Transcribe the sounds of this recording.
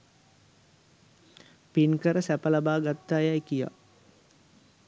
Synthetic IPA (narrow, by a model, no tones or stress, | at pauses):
pinkəɾəsæpəlabaːɡat̪ːaːjaekija̰